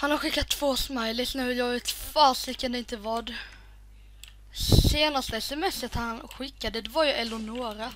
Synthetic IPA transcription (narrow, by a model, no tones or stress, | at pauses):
hanhaɾɧɪkːat̪ʰːv̥oːsmajlɪsnɛjɑɪt̪faːsɪkːənd̪ɛɪnt̪əvɑɖ | seːnast̪əɛsɛmɛsːət̪hanɧɪkːad̪əd̪ɛvaɾjɵʔɛlʊnoːɾa